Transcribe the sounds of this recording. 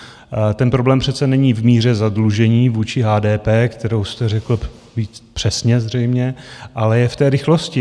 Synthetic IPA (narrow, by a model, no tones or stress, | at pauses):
t̪ɛnpɾo̞blɛːmpr̝̥ɛt̪t͡sɛnɛɲiːvmiːr̝ɛzadluʒɛɲiːvuːt͡ʃɪɦaːdɛːpɛːkt̪ɛɾowst̪ɛrɛkl̩ | viːt͡spr̥ɛsɲɛzr̝ɛjmɲɛʔalɛjɛft̪ɛːɾɪxloscɪ